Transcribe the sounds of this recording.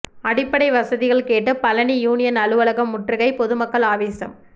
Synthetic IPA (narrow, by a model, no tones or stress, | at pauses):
ɐɽɪpːɐɽɐɪʋɐsɐðɪɣɐɭkeːʈːɯpɐlɐnijuːnɪjɐnɐlɯʋɐɭɐɣɐmːʊʈrɯɣɐɪpɔðɯmɐkːɐɭaːʋeːsɐ̰m